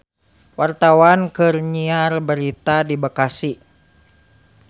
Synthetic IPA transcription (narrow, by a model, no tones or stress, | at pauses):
wart̪awankɨrɲiarbəɾit̪adibakasi